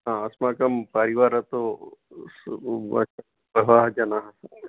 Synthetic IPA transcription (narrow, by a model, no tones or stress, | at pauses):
ɦãəsmakəmpəɾiʋaɾɦət̪o | ɐ̰ | pəʋaɦd͡ʒanaɦ